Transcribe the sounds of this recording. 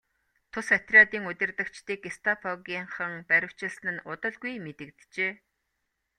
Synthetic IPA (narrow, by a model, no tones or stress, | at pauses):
t̪ʰʊsat̪rʲiat̪iːŋɵt̪ʲɘ̆rt̪ɘ̆kt͡ɕt̪iːkest̪ʰapʰɔɣʲiːɴχə̆ŋpæɾʲɪ̆w̥t͡ɕɪ̆ɮsnɘ̆nʊt̪ə̆ɮɡujmet̪ɘ̆kt̪t͡ɕeː